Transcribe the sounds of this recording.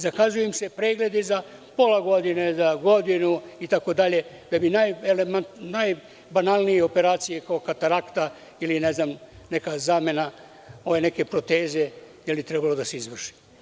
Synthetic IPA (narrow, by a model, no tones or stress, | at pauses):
zakazujemsepɾeːɡle̞d̪izapo̞laɡo̞d̪inezaɡo̞d̪inuit̪ako̞d̪aʎe̞ | d̪̥abinajelemant̪naj | banalˠnijeo̞peɾaːt̪sijekaokat̪aɾakt̪a | ilineznam | nekazaːme̞na | o̞ʋeneke̞pɾot̪eːze̞ | jelbit̪ɾɛbalo̞d̪aseizʋr̩ʃi̥